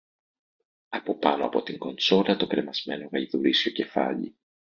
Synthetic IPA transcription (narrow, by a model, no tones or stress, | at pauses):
ɐpo̞pɐno̞ɐpo̞t̪iŋɡo̞nt͡so̞lɐt̪o̞kɾe̞mɐzme̞no̞ɣɐʎiðuɾisco̞ce̞fɐ̰ʎḭ